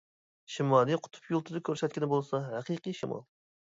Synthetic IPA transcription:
ʃimɑlˠijqʰʊ̥t̪ʰʊ̥pjulˠt̪ʰʊd̪ɪkʲʰøɾsɛt̪̚ʲkʲɪnɪbolˠsɑhæqʰɨqɨjʃɪmɑ̰lˠ

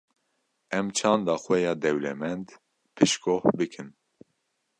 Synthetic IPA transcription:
ɛmt͡ʃʰɑːnd̪ɑːxwɛjɑːd̪ɛwlɛmɛnd̪ | pʰɨʃkohbɨkʰɨm

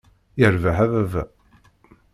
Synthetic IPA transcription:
jəɾvaħævævæ̰

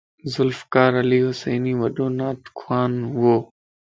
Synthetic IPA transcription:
zʊlfkaːɾɐliːɦʊseːniːʋɐɗoːnaːt̪kʰwaːnɦʊoː

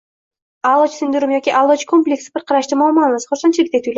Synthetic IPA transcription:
ɑlˠd̪ot͡ʃsynd̪yɾymjokʲiʔɑlˠot͡ʃkʰomplʲeksɪbɪɾqʰɑɾɑʃt̪ɯmoːlˠmɑlˠnɯsqʰosont͡ʃʰilʲk̚t̪et̪yjlʲ

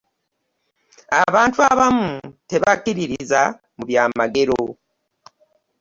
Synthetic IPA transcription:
aβaːntuaβamute̞βakiɾiɾiza | muβjaːmaɡe̞ɾo

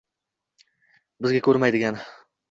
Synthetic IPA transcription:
bɪzɡʲakʰʲɵɾmajd̪ɪɡʲan

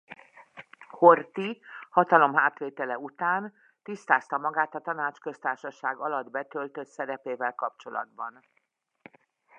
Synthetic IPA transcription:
hort̪ihɒt̪ɒlo̞mɦaːt̪ʋeːt̪ɛlɛut̪aːn | t̪ist̪aːst̪ɒmɒɡaːt̪ɒt̪ɒnaːt͡ʃkø̞st̪aːrʃɒʃaːɡɒlɒd̪bɛt̪ø̞lt̪øt̪sɛɾɛpeːvɛlkɒpt͡ʃo̞lɒ̰d̪bɒn

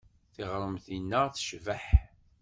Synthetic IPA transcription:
θɪʁɾˤəmθinːəʁθə̥ʃvəħ

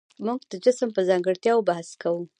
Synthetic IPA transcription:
muɡ̚d̪̥əd͡ʒɪsəmpəzɑŋɡəɽt̪jɑwbahskawu

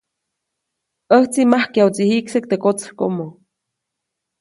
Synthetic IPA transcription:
əht͡simahkjawt͡sihiksek̚t̪ekot͡skomo

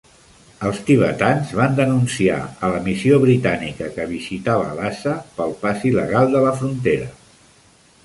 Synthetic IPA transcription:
əlˠst̪iβ̞ə̰t̪anzβand̪ənunsia̰ələmisioβɾit̪anikəkəβ̞izit̪aβə̰ːlasəpəlˠpasiləɣalˠd̪ələfɾunt̪eɾə

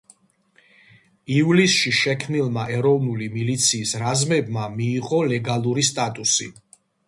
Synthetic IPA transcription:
ivlisʃiʃɛkʰmnilˠmaʔɛɾɔvnulimilit̪sʰiːsɾazmɛbmamiːʁɔlɛɡalˠuɾist̪ʼat̪ʼusḭ

